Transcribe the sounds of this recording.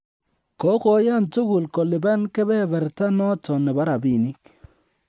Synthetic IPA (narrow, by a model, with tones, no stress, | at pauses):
kɔ˨˦kɔ˨ja˦˨ntu˦kʊ˨lkɔ˨lɪ˨ba˦nkɛ˦bɛ˦bɛ˨ɾta˦nɔ˦tɔ˨nɛ˨ba˦ɾa˨bi˦˨ni˦k